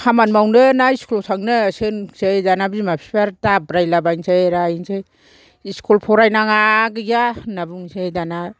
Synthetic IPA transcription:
kʰamanmawnɯnaiskulɔsʰaŋnɯsɯnsejdanabimapʰi̥pʰaɾtabɾajlabaŋsʰejɾajŋsʰej | iskʰulpʰɔɾajnaŋaɡɯɡanabuŋsejdana

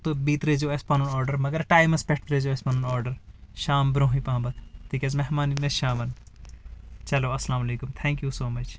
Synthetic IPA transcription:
t̪obiːt̪ɾed͡ʒoɐspɐnɐnɔːɾɖɐɾmɐɡɐɾʈaːjmɐspɛʈʰt̪ɾed͡ʒoɐspɐːnɐnɔːɾɖɐɾʃaːmbɾõːɦipãːbɐt̪t̪ʰikʲɐzmɛɦmaːninɐʃaːmɐn | t͡ʃɐloːɐsɐlaːmɐleːkumt̪ʰɛ̃ːŋkjusoːmɐt͡ʃʰ

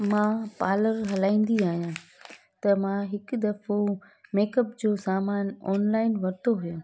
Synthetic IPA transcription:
mãpaːləɾɦɐlaːĩːn̆d̪iaːɦijã | t̪ɐmãɦɪkd̪ɐfo | meːkəpd͡ʑoːsaːmaːnɔːnlaːɪnʋɐɾt̪ʰoɦʊjõː

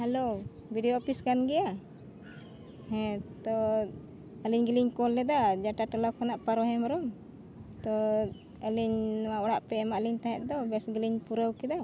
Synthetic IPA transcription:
hɛlo | bʱiɖijɔɔpʰiskanɡɛja | hɛ̃t̪ɔ | əliɲɡiliɲkɔlːɛd̪ad͡ʒaʈaʈɔlakʰɔnaʔpaɾɔɦɛ̃maɾɔm | t̪ɔ | əliɲwawɔɽaʔpɛɛmaʔliɲt̪aɦɛʔ̪̚d̪ɔbɛsɡiliɲpuɾəwkɛd̪a

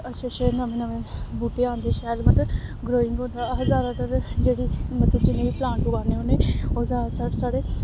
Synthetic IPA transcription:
əʃeʃeːnamẽːnəmẽːbuːʈeːãːnd̪eːʃɛːlmət̪əɡɾoːɪ̃ŋɡɦõːnd̪aːɦəzaːɾãːt̪əɾd͡ʒeːɽiːmət̪ːet͡ʃɪneːʋiːplãːɳʈpʊɡaːneːɦoːneːoːzaːsaːʈsaːɽeː

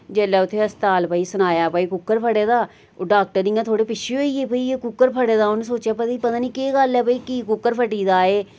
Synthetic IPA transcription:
d͡ʒɛːlaːʊt̪ʰːeːəst̪aːlpəiːsənaːjaːpəiːkʊkːəɾpʰəɽeːd̪aː | oɖaːk̚ʈəɾdijãːt̪ʰoːɽeːpɪt͡ʃʰeoiːeːpəiːeːkʊkːəɾpʰəɽeːd̪aːonːsoːt͡ʃjaːpət̪aiːpət̪aːniːkeːɡəlɛːpəiːkiːkʊkːəɾpʰəʈiːd̪aːeː

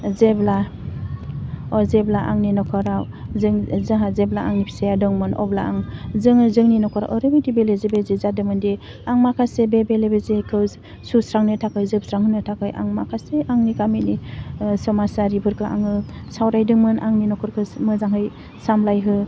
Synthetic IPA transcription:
zebla | ɔzeblaʔa̰ŋninɔkʰɔɾa | zɯŋzaɦazeblaa̰ŋnipʰi̥sajadɯŋmɯnɔ̰blaaŋzɯŋzɯŋninɔkʰɔɾa̰ʔɔɾɯbitibelezebezezadɯmɯnde | aŋmakʰasebebelebezekʰɯw | susɾaŋnɯtʰakɯjzɯb̚sɾaŋhɯnɯtʰakɯjʔa̰ŋmakʰaseʔaŋnikaminisɔmasaɾibʰʱɯɾkʰɯʔa̰ŋɯ | sawɾajdɯŋmɯna̰ŋninɔkʰɔɾkʰɯmɯzaŋɦɯj | samlajɦɯ

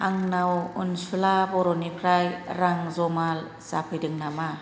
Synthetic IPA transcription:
aŋnawunsulabɔɾɔnipʰɾajɾaŋzɔmal | sapʰɯjdɯŋnama

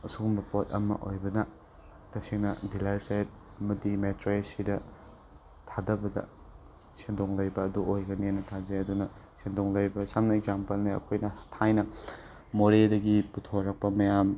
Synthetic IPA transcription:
ɐsuɡumɐpot̚ɐ̰mɐ̰ʔojbɐnɐ | tɐseŋnɐdilajsajt̚ | ɐmɐdimetɾoesidɐ | tʰadɐbɐdɐ̰ | sendoŋlɐjbɐːduʔojɡɐnianɐtʰazeɐdunɐsendoŋlɐjbɐsamnɐeɡzampɐlniɐ̰kʰojnɐhtʰajnɐ | moɾedɐɡiputʰoɾɐk̚pɐmɐjam

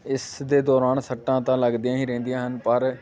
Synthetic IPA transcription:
ɪsd̪eːd̪ɔːɾaːnsəʈːãːt̪ãːləɡd̪ijãːĩːɾɛ̃ːnd̪ijãːɦənpəɾ

